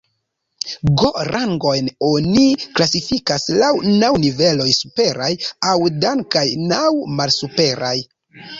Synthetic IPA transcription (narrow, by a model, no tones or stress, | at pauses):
ɡo̞ɾʔaŋɡo̞jno̞niklasifikaslawnawnive̞lo̞jsupe̞ɾajawdaŋkajnawmalsupe̞ɾʔaj